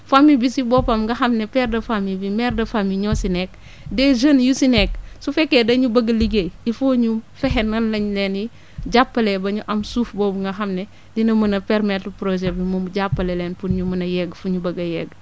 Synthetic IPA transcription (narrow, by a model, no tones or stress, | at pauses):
famibisibɔːpɐmŋɡɐxɐmnɛpɛrdɐfamibimɛrdɐfamiɲɔsinɛk | dɛʒənjusinɛk̚sufɛkːɛdɐɲubɐɡɐliɡeifoːɲumfɛɦɛnːɐnlɐɲlɛːni | ɟapːɐlɛbɐɲuʔɐmsuːfbɔːbuŋɡɐɦɐmnɛ | dinɐmɐnɐpɛɾmɛtpɾoʒɛbimumɟapːɐlɛlɛːnpunɲumɐnɐjɛɡfuɲubɐɡɐjɛɡ